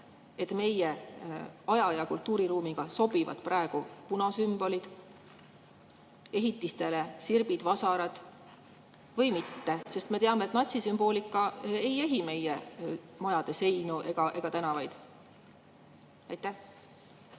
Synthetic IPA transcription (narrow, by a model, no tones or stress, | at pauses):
e̞t̪ːme̞je̞ | ɑjɑjɑkult̪ːˑuːɾiɾuːmiɡ̥ɑso̞b̥ivɑ̰d̪̥prɑeɡ̥upunɑsymbo̞lid̪̥ | e̞ɦit̪ːˑist̪e̞le̞sirb̥id̪̥vɑsɑɾɑd̪̥ | vɤjmit̪ːe̞se̞st̪me̞t̪eɑmeːt̪nɑt̪ʲsisymb̥o̞ːlʲikːˑɑe̞je̞ɦime̞je | mɑjɑd̪̥e̞se̞jnuʔe̞ɡ̥ɑʔe̞ɡ̥ɑt̪ænɑvɑjd̪̥ | ɑjt̪ˑːæh